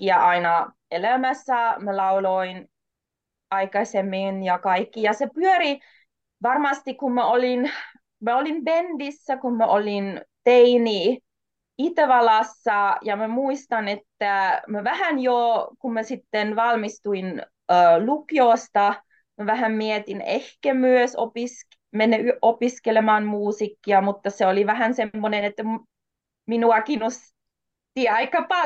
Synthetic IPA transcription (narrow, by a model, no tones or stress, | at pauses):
iæʔɑinɑ | elæmæsːæmælɑuloin | ɑikɑsʲemːinjɑkɑikːijɑsepyøɾi | ʋɑrmɑst̪ikummæolin | mæolimbend̪isːækummæʔolint̪eini | it̪æʋɑlɑsːɑjɑmæmuist̪ɑnet̪ːæmæʋæhænjokummæsit̪ːenʋɑlmist̪uin | əːlukioˑst̪ɑ | mæʋæhæmmiet̪inḛhkæmyøsopis | menːeyʔopiskelemɑːnmuːsikːiɑmut̪ːɑseoliʋæhænsemːonenet̪ːæ | minuɑkinos | t̪iɑikːɑpɑ